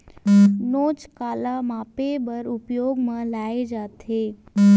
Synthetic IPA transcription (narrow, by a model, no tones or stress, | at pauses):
noːt͡ʃkaːlamaːpebəɾʊpjoːɡmãlaːed͡ʒaːt̪ɦeː